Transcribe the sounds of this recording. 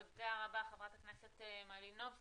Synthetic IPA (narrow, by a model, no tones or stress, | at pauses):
ɡeaʁabaχevʁat̪akneset̪emalinov